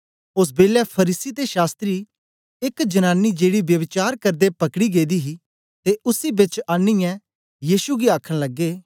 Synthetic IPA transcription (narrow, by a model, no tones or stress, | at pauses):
ʊs̬beːlɛpʰɐɾiːsit̪eʃaːst̪ɾi | ɪkd͡ʒɐnaːnːid͡ʒeːɽibjɐʋɪt͡ʃaːɾkɐɾd̪epɐkɽiɡeːd̪iɦi | t̪eʔʊsibɪt͡ʃãːniɛ̃ | jiːʃuɡiaːkʰəɽ̃lɐɡːeː